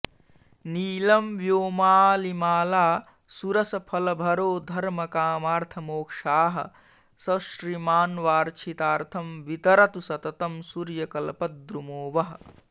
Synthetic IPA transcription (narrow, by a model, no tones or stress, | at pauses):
niːlɐmʋjoːmaːlimaːlaː | suɾɐsɐpʰɐlɐbʱɐɾoːd̪ʱɐɾmɐkaːmaːɾt̪ʰɐmoːkʂaːɦɐ̰̆ | sɐʃɾimaːnʋaːɾt͡ʃʰit̪aːɾt̪ʰɐmʋit̪ɐɾɐt̪usɐt̪ɐt̪ɐmsuɾjɐkɐlɐpɐd̪ɾumoːʋɐɦ